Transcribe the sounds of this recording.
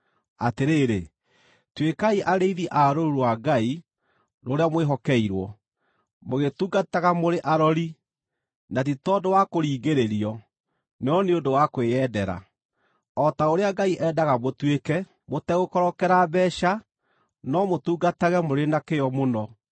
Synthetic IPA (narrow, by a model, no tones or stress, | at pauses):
ateɾeːɾe | twekaiʔaɾeiðiʔaɾoɾuɾwaɡai | noɾeamweɦɔkɛiɾwɔ | moɣetuːɡataɣamoɾeʔaɾɔɾi | natitɔdowakoɾiːɡeɾeɾiɔ | neɔneondowakwejɛdɛɾa̰ | ɔtaoɾeaɡaiʔɛdaɣamotwekɛ | motɛɣokɔɾɔkɛɾabɛʃa | nɔmotuːɡataɣɛmoɾenakejɔmonɔ